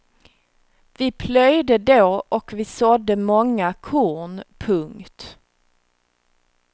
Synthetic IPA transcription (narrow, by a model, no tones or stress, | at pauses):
vɪpʰlœjd̪əd̪oːʔɔkvɪsɔd̪ːəmɔŋːakʰuːɳpʰɵŋkt̪